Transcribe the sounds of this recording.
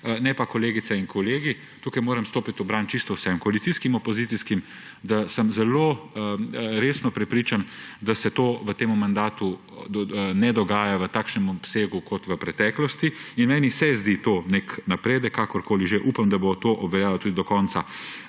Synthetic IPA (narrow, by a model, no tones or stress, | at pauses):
nɛpakɔleːɡit̪sɛinkʰɔleːɡi | t̪uːkajmoːɾɐmst̪oːpit̪ɔbɾaːnt͡ʃist̪ɔwsɛmkɔalit̪siskimɔpɔzit̪siskim | d̪asəmzɛlo | ɾeːsnɔpɾɛpɾiːt͡ʃand̪asɛt̪oːʋət̪eːmumand̪aːt̪u | nɛd̪ɔɡaːjaʋət̪aːkʃnɛmɔpseːɡukʰɔt̪ʋəpɾɛt̪ɛklɔst̪iinmɛːnisɛzd̪it̪oːneknapɾeːd̪əkʰːakɔɾkoːliʒeʔupamd̪abot̪oʔɔbʋɛljaːlɔt̪uːd̪id̪ɔkɔːnt̪sa